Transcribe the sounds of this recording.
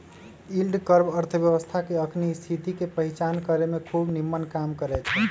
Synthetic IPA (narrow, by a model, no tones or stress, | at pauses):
ilɖkəɾbəɾt̪ʰəbjəʋəst̪ʰakeəkʰnist̪ʰit̪ikepəɦit͡ʃankəɾemekʰubnimːənkamkəɾɛt͡ʃʰɛ